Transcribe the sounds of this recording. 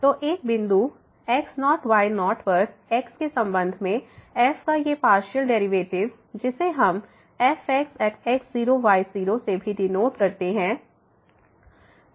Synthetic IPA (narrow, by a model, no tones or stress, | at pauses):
t̪oːʔeːk̚bɪ̃nd̪u | ɛːksnɔːʈʋaːɪnɔːɾʈʰʋəɾk̚ɛːkskesɐ̃mbə̃nd̪ʱmẽɛːfkajepaːɾʃəlɖɛːɾiʋeːʈɪʋ | d͡ʒɪseɦɐm | ɛːfɛːksɛːksɛːksziːɾoʋaːɪziːɾosebʱiɖɪnoːt̪kɐɾt̪eɦɛ̃ː